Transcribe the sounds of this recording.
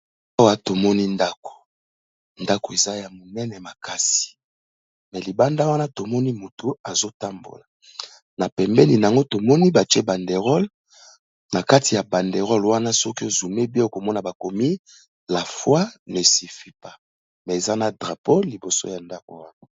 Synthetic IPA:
a˦wa˨to˨mɔ˦ni˦nda˦ko̥˨ | nda˦ko˨e˨za˦ja˨mo˨nɛ˦nɛ˨ma˨ka˦si̥˨ | mɛ˨li˨ba˦nda˦wa˦na˦to˨mɔ˦ni˦mo˨to˨a˨zo˦ta˦mbo̰˨la˨ | na˨pɛ˨mbɛ˦ni˨n˨a˨ŋɡo˦to˨mɔ˦ni˦ba˨tɛ˦ba˨nde˨ʁɔ˦l | na˨ka˦ti˨ja˨ba˨nde˨ʁɔ˦lwa˦na˦sɔ˦ki˦o˨zu˨me˦bi˦o˦˨ko˨mɔ˦na˨ba˨ko˨mi˦ | la˨fwa˦ne˨si˨fi˦pa˦ | mɛ˨e˨za˦na˨dʁa˨po˦li˨bo˨so̰˦ja˨nda˦ko̰˨wa˦na˨˦

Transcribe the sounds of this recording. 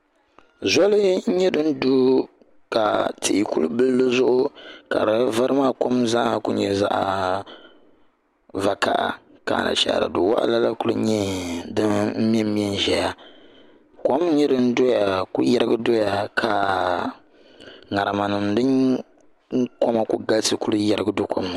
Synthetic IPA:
zɔ˦lɨ˦ɲɛ˦dɨ˦n̩˦du˦ | ka˨tɨ˨ʔi˨ku˦lbɨ˦lːɨ˦zʊ˦ʔʊ˦ka̰˨dɨ˨va˦ɾɨ˦maː˦ko˦mza˦˨kʊ˦ɲɛ˨za̰˦ʔa˨ | va˨ka̰˨ʔa̰˨ | ka̰˨na̰˨ʃa̰˦˨da̰˨dʊ˨wa̰˦ʔa̰˦la˦la˦ku˦lɨ˦ɲɛ˦dɨ˦m̩˦m˦ɛ˦mi˦ɛ˦n˦ʒɛ˨ja˦ | ko˦mɲi˦ɾɨ˦n̩˦do˦ja˨kʊ˦jɛ˦ɾɨ˦ɡɨ˦do˦ja˨kʰa˨ | ŋa˨ɾa˨ma˨nɨ˨mdɨ˦ŋ | ŋ˦ko˦ma˦ku˦ɡa˦ltɨ˨ku˦lɨ˦jɛ˦ɾɨ˦ɡɨ˦do˦kʰo̰˦m˨

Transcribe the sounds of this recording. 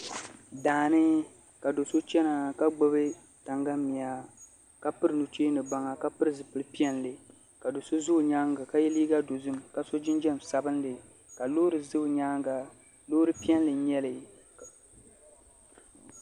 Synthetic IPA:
daː˨nɨ˦ | ka˨do˨so˦t͡ʃɛ˦na˨ka˦ɡ͡bɨ˦bɨ˦ | ta˨ŋɡa˦mi˨a˨ | ka˦pɨ˦ɾɨ˨nu˨t͡ʃeː˦nɨ˨ba˦ŋa˨ka˦pɨ˦ɾɨ˦zɨ˨pɨ˨lɨ˦pi˦ɛ˦nlɨ˨ | ka˨do˨so˦zʊ˦˨ɲaː˦ŋɡa˨ka˦jɛ˦liː˦ɡa˦do˨zɨ˦mka˨so˦d͡ʒɪ˦nd͡ʒɛ˦m˨sa˨bɨ˦nlɨ˨ | ka˨loː˦ɾɨ˨zɨ˦˨ɲaː˦ŋɡa˨ | loː˦ɾɨ˦pi˦ɛ˦nlɨ˨ɲɛ˦lɨ˨

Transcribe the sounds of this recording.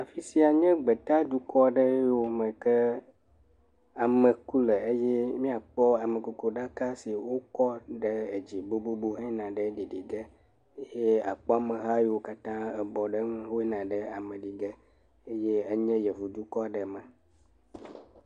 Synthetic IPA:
a˨fi˦si˦a˨ɲɛ̃˦ɡ͡bə˨t̪a˦d̪u˦kɔ˦˨ɖə˦o˨mə̃˨kə˦ | a˨mə˨ku˦lə˨e˦jɛ˦mĩ˦a˨k͡pɔ˦a˨mə̃˨ku˨ko˨ɖa˦ka˦si˨wo˦kɔ˦ɖə˦e˨d͡ʑi˨bo˦bo˦bo˦ɦɛ̃˦nã˨ɖə˦ɖi˨ɖi˨ɡə˦ | je˦a̰˨k͡pɔ˦a˦mə˨ɦa˦jwo˨ka˦t̪ã˦ə˨bɔ˨ɖə˦ŋ˦ɦo˦e˦nã˨ɖə˦a˨mə̃˨ɖi˨ɡə˦ | e˦je˦ə˦ɲɛ̃˦jə˨vu˨d̪u˦kɔ˦a˨ɖə˨mə˨

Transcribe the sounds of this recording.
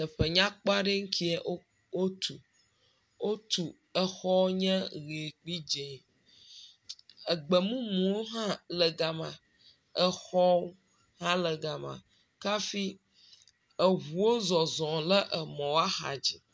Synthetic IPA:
t̪ə˨ɸə˨ɲã˦k͡pa˦ɖe˦ŋ̩˦kʰi˦ɛ˦ | wo˦t̪ʰu˨ | wo˦t̪u˨ | ə˦xɔ˦wɲɛ̃˦ɣe˨k͡pi˦d͡ʒe˨ | ə˨ɡ͡bə˨mũ˦mũ˨wo˦ɦã˦lə˨ɡa˨mã˨ | ɛ˦xɔ˦wo˦ | hã˦lə˨ɡa˨mã̰˨ | ka˦fi˦ | ə˨ɦu˨wo˦zɔ˨zɔ̃˨lə˦ʔə˨mɔ̃˨wa˦xa̰˨d͡ʑi˨

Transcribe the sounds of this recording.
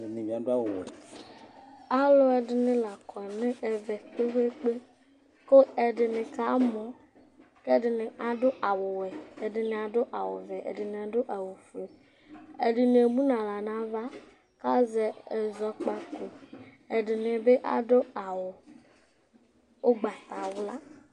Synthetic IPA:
nĩ˨vĩ˨a˨do˦a˦wo˨wɛ̰˨ | a˦lo˦ɛ˨dɪ˨nɪ̃˦la˨kʰɔ˨nẽ˦ʔe˨vɛ˨k͡pe˦we˦k͡pe˦ | ko˦e˨ɖɪ˨nɪ̃˨ka˦mɔ̃˨ | ke˦dɪ˨nɪ̃˨ʔa˨ɖo˦ʔa˨wʊ˨wɛ˨e˨dɪ˨nẽ˨a˨do˦ʔa˨wo̰˨vɛ˨ʔḛ˨dɪ˨nẽ˨a˨ɖo˦ʔa˨wo˨fe˨ | e˨ɖɪ˨ne˨mũ˦nã˨la˨nã˨va˦ | ka˦zɛ˨e˨zɔ˦k͡pa˦ko˨ | e˨ɖɪ˨nɪ̃˨be˦ʔa̰˨do˦a˨wo˨ | wo˦ɡ͡ba˨t̪a˨wla˦

